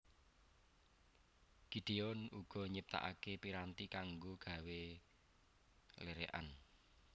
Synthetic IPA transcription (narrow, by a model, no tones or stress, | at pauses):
ɡ̥i̤ɖ̥e̤ɔnuɡ̥ɔ̤ɲəp̚t̪a̰ʔa̰kepiɾant̪ikaŋɡoɡ̥a̤we | leɾeʔa̰n